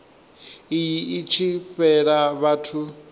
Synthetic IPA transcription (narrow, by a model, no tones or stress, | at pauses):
ijiːt͡ʃʰiɸɛɺaβatʰu